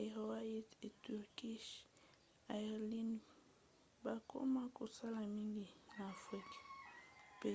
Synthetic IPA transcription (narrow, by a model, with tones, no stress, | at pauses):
e˨ho˨wa˦i˦te˨tu˨ɾki˦ʃ | a˨li˦n | ba˨ko̰˦ma˦ko˨sa˦la˨mi˦ŋɡi˨naː˨fʁi˦ka˨pe˦˨